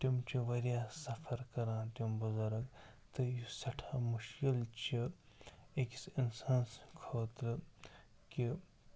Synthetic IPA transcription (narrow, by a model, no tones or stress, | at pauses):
t̪imt͡ʃiʋɐɾijaːsɐfʰɐɾkɐɾãːt̪imbuzɐɾɐɡ | t̪ɨjusɐʈʰaːmuʃkilt͡ʃi | ekisinsanskʰoːt̪ɾɨ | ki